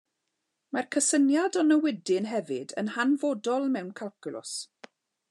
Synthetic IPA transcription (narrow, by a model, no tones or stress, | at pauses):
markʰəsənjadɔnəwɪdɪnɦɛvɪdə̰nhanvodɔlˠmɛwnkʰalˠkʰʊlʊ̰s